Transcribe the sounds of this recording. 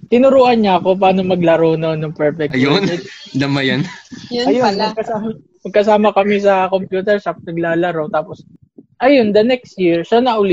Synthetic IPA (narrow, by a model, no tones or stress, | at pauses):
t̪ɪnʊɾuːʔɐnɲaɐkop̬aːno̞mɐɡlɐɾononɐŋpɛɹfɛkɐjonɛd̪ɐmɐjɐnjɐjoɐɡ̚kɐsaː | mɐɡ̚kɐsaːmɐkɐmɪs̬ɐko̞mpjuːt̪ɛɹʃap̚nɐɡlaːlɐɾot̪aːpos | ʔɐjond̪ɐnɛkst̪jɪɹʃanɐʔʊlɪ